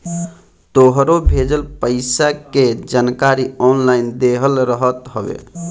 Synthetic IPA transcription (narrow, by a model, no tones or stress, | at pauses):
t̪oɦɾobʱed͡ʒəlpəɪsaked͡ʒankaɾiɔnlaɪnd̪eɦəlɾəɦət̪ɦəbḛ